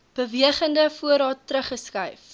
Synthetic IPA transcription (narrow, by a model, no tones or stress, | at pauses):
b̥əviəχəndəfuəɾɑːtːɾəχəskɐjf